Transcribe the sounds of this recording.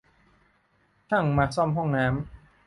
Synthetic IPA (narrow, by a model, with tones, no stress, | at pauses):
t̪ʰa˥˩ŋmaː˧sɔ˥˩mɦɔ˥˩ŋnaː˦˥m